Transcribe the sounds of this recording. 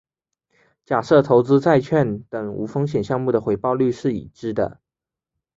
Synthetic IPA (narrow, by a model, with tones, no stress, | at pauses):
t͡ɕja˨˩ʂɤ˥˩t̪ʰo˧˥ʊt͡sɹ̩˥t͡sa˥˧ɪt͡ɕʰɥɛ˥˩nt̪ɤ˨˩ŋṵ˧˥fɤ˥ŋɕ̬jɛ˨˩nɕjɑ˥˧ŋmu˥˩d̪ə˩xwe˧˥ɪpɑ˥˧ʊly˥˧ʂɻ̩˥˩i˨˩ʈ͡ʂɻ̩˥d̪ə̰˨